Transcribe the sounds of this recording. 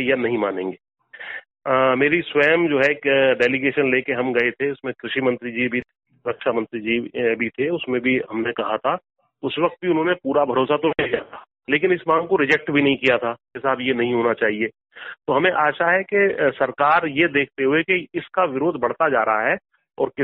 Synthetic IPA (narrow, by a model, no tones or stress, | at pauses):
ejɐnɐɦĩmaːnẽːŋɡeː | meːɾiswɛːmd͡ʒoːɦɛkɖɛːlɪɡeːʃənleːkeɦɐmɡɐet̪ʰeʊsmẽkɾɪʃimɐ̃nt̪ɾid͡ʒibʱi | ɾɐkʃamə̃nt̪ɾid͡ʒibʱit̪ʰeʊsmẽbʱiɦɐmnekɐɦat̪ʰa | ʊsʋɐk̚t̪̚bʱiʊnɦõːnepuːɾabʱɐɾoːsat̪oejaːt̪ʰaː | leːk̬ɪnɪsmãːŋɡkoɾɪd͡ʒɛk̚ʈbʱinɐɦĩkijat̪ʰad͡ʒɛːsabjenɐɦĩɦoːnat͡ʃaːɦieː | t̪oɦɐmẽʔaːʃaɦɛkesɐɾkaːɾjed̪eːk̚ʰt̪eɦuekeɪskaʋɪɾoːd̪ʱbɐɽ̤t̪ad͡ʒaːɾəɦaɦɛ | ɔːɾkɪ